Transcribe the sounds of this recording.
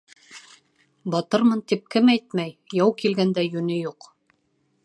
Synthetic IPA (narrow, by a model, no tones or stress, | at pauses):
bɑt̪ɤɾmɤnt̪ip̚kɘmæjt̪̚mæjjɑwkilɡænd̪æjʉnɘjuq